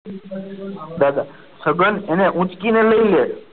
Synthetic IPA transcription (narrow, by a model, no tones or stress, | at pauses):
d̪ad̪a | səɡəneneʔũt͡ʃkineləile